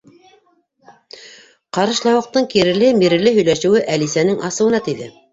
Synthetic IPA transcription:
qɑɾɤ̆ʃlˠɑwɤ̆q̚t̪ɤɴkiɾɘ̆lɘmiɾɘ̆lɘɦɵ̆jlæʃɘ̆wɘʔælisænɘŋʔɑsɤ̆wɤ̆nɑt̪iðɘ̰

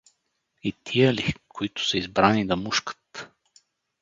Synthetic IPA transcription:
it̪ʰijəlikʰʊit̪ʊ̥səizbɾanid̪ɐmuʃkə̥t̪

